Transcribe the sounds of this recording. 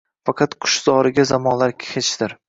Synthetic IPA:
fɑqʰɑt̪qʰʊ̥ʃz̥ɒɾɪɡʲazamɒnlaɾkʲhet͡ʃd̪ɪɾ

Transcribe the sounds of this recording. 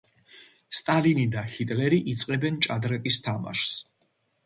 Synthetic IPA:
st̪ʼalinid̪ahit̪ʼlɛɾiʔit̪sʼqʼɛbɛnt͡ʃʼad̪ɾɛkʼist̪ʰama̰ʃs

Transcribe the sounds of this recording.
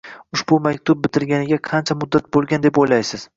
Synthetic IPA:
ʊʃbʊmakʲt̪ʰʊb̚bɪt̪ʰɪɾɡʲanɪɡʲaqʰɑnt͡ʃʰamʊd̪ːat̪̚bolˠɡʲand̪e̞pojlajsɪz̥

